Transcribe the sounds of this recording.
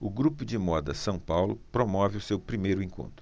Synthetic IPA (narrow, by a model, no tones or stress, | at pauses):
ʊɡɾupʊd͡ʒɪmɔd̪ɐsɐ̃w̃pawlʊ̰pɾomɔvɪʊsewpɾimejɾʊẽŋkõ̰nt̪ɾʊ